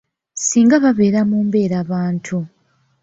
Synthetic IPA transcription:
siːŋɡaβaβe̞ːɾamuːmbe̞ːɾaːβaːntʰu

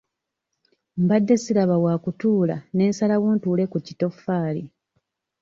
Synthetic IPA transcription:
mbadːe̞siɾaβawaːkutuːla̰ne̞ːnsalawuntuːle̞kucito̞fːaːli

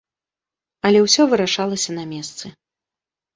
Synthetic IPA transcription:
ɐlʲɛwsʲɔvɨɾaʂalˠɐsʲɐnɐmʲɛst̪sɨ

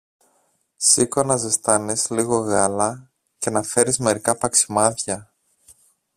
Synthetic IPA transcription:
sikonɐzest̪ɐnisliɣo̞ɣɐlɐ | ce̞nɐfe̞ɾizme̞ɾikɐpɐksi̥mɐðçɐ

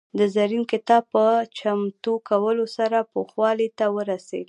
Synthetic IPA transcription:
d̪əzaɾinkɪt̪ɑb̚pət͡ʃamt̪ukawəlosaɾapoxwɑlet̪awəɾasḛɡ

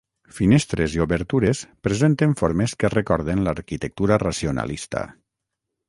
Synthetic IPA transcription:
finɛst̪ɾeziuβəɾt̪uɾespɾezent̪eɱfoɾmeskerekɔɾðenlaɾkit̪ək̚t̪uɾarasiona̰list̪a̰

